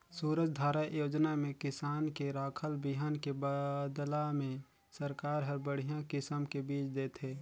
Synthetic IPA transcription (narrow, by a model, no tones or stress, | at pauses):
suːɾəd͡ʒd̪ʱaːɾajoːd͡ʒnamẽkɪsaːnkeɾaːkʰəlbiɦənkebad̪lamẽ | səɾkaːɾɦəɾbəɽ̤ijãkɪsəmkebiːt͡ʃd̪eːt̪ʰeː